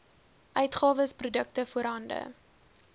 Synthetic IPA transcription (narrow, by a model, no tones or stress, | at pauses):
ʔœɥtχɑːvəsprudəktəfuəɾɦɐndə̰